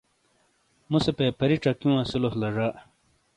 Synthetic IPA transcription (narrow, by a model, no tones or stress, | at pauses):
musepepʰɐɾiʈ͡ʂɐkjũãsiloslɐʐaː